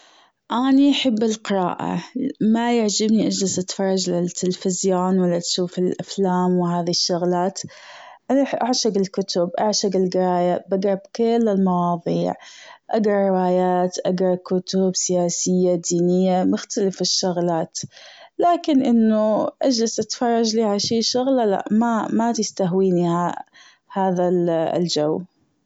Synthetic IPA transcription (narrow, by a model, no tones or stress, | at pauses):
ʔaniʔaħɪbːɪlqɪɾˤa̰ːʔa̰majaʕd͡ʒɪbniʔad͡ʒlɪzʔat̪fɑɾˤːɑd͡ʒlɪt̪ːɪlfɪzjoːnwalːat̪ʃuːfɪlʔaflaːmwɪɦaːðiʃːʊɣlaːt̪ | ʔanħʔaʕʃaɡɪlkʊt̪ʊbʔaʕʃaɡɪlɡɪɾɑːjabaɡɾˤɑbkɪlːɪlmɑwɑːðˤiːʕʔaɡɾˤɑːɪwaːjaːt̪ʔaɡɾˤɑkʊt̪ʊbsɪjaːsɪjːad̪iːnɪjːamʊxt̪alɪfɪʃːʊɣlaːt̪laːkɪnʔɪnːʊʔad͡ʒlazʔat̪fɑrˤːɑd͡ʒliːʕalaʃiːʃʊɣlala̰ʔmamat̪ɪst̪aɦwiːniha | haːða̰ld͡ʒaw